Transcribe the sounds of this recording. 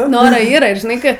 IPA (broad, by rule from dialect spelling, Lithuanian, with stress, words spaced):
ˈnʊ ˈnoːroː ˈiːrɐ ʒʲɪˈnɐɪ ˈkɜ